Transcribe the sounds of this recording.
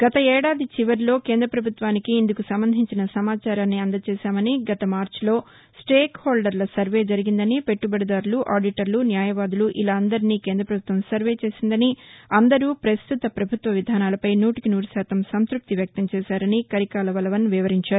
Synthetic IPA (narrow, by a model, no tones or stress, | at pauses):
ɡ̥ɐt̪ɐɛːɽaːd̪it͡ʃiʋɐɾlo̞ːkeːnd̪ɾɐpɾɐbʱut̪ʋaːnikiːnd̪ukusɐmbɐnd̪ʱiɲt͡ʃinɐsɐmaːt͡ʃaːɾaːnːiɐnd̪ɐt͡ʃɛːʃaːmɐniɡɐt̪ɐmaːɾt͡ʃlo̞ː | sʈeːkhoːlɖɐɾlɐsɐɾʋe̞ːd͡ʒɐɾiɡind̪ɐnipe̞ʈːubɐɽɐd̪aːɾuluʔaːɾɖiʈɐɾlunjaːjɐʋaːd̪uluʔilaːɐnd̪ɐɾiniːkeːnd̪ɾɐpɾɐbʱut̪ʋɐmsɐɾʋe̞ːt͡ʃe̞ːsind̪ɐniɐnd̪ɐɾuːpɾɐst̪ut̪ɐpɾɐbʱut̪ʋɐʋid̪ʱaːnaːlɐpɐjnuːʈikinuːɾusaːt̪ɐmsɐnskɾup̚t̪iʋjɐk̚t̪ɐmt͡ʃɛːʃaːɾɐnikɐɾikaːlɐʋɐlɐʋɐnʋiʋɐɾiɲt͡ʃaːɾuu